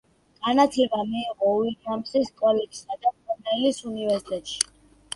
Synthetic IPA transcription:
ɡ̥anat̪ʰlɛbamiːʁɔuiamsiskʼɔlɛɡsad̪apʼɔnɛilisunivɛɾsit̪ʼɛt̪ʼʃi̥

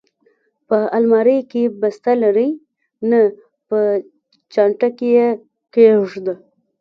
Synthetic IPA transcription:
pəalmɑɾəjkebast̪alaɾəj | na | pə | t͡ʃɑɳʈakeje | keʐd̪ə

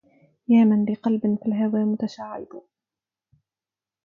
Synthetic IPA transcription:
jaːmanlɪqɑlbɪnfilɦawaːmʊt̪aʃaːʕɪ̰b̪ʊ

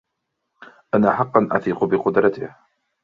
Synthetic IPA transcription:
ʔanaħɑqːɑnʔa̰θiːqbɪqʊd̪ɾˤɑt̪ɪh

